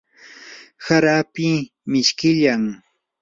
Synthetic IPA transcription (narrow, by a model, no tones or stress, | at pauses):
saɾaːpɪ | mɪʃkɪʎaŋ